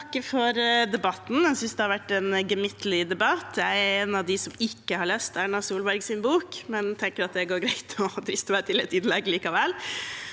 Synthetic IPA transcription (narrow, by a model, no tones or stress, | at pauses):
kːəfɔɾd̪ɛbɑt̪ːn̩æsʏnsd̪ɛhɑɾʋæʈːɛnɡəmɪt̪lɪd̪ɛbɑt̪ːjæɪæɾɛnɑʋd̪ɪsɔmɪkːəhɑɭœst̪æɳɑsuːlbæɾɡsɪnbuːkmɛnt̪ʰɛŋkəɾɑt̪̚d̪æɡoːɾɡɾɛɪt̪ʰɔd̪ɾɪst̪æt̪ʰɪlɛt̪ɪd̪lɛɡliːkɑʋɛl